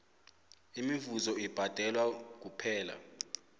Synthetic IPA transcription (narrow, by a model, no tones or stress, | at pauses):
imivuzɔib̥ʱad̥ʱɛlwak̬upʰɛːla̰